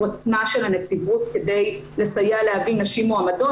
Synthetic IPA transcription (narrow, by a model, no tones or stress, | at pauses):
at͡smaʃelanet͡sivutkede̞j | le̞sajalehavinːaʃimoamado